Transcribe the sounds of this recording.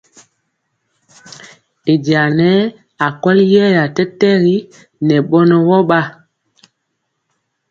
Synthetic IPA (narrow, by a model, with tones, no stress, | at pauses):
e˨di˨a˨nɛ˦ | a˨kɔ˦ljɛ˦ja˨tɛ˦tɛ˦ɣi˦ | nɛ˨ɓɔ˦nɔ˦wɔ˦ɓa˦